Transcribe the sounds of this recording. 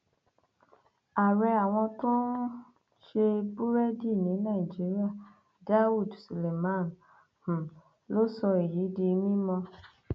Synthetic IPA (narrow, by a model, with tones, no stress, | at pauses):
a˨ɾɛ˧a˨w̃ɔ̃˧tũ˦ | ʃe˧bu˦ɾɛ˦di˦˨nĩ˨˦nã˦˨i˨d͡ʒi˨˦ɾi˦a˦˨ | da˦wu˦˨dsu˨le˨mã˦˨n | h̩˨ | lo˦sɔ˧i˨ji˨˦de˧mĩ˦mɔ̃˧